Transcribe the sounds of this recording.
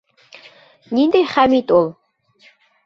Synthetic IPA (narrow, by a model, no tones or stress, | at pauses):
nind̪ejχamit̪ʼʊlˠ